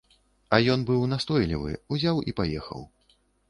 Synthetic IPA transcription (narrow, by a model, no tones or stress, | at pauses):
ɐjɔnbɨwnast̪ɔjlʲḭvɨ̰uzʲawʔipajɛxɐ̰w